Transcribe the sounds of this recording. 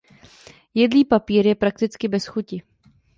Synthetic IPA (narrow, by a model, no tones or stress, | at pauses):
jɛdliːpapiːɾjɛpɾak̚t̪ɪt͡skɪbɛsxucɪ